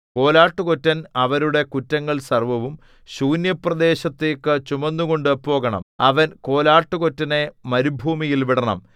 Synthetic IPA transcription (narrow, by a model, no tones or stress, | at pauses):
ko̞ːlaːʈːukotːɐnɐʋɐɾuɽe̞kutːɐŋːɐɭsɐrʋɐʋum | ɕuːnjɐprɐd̪e̞ːɕɐt̪ːe̞ːkːɨt͡ɕumɐnːuɣo̞ɳɖɨpo̞ːɣɐɳɐ̰mɐʋɐnko̞ːlaːʈːuko̞tːɐne̞mɐɾubʱuːmijilʋiɽɐɳɐ̰m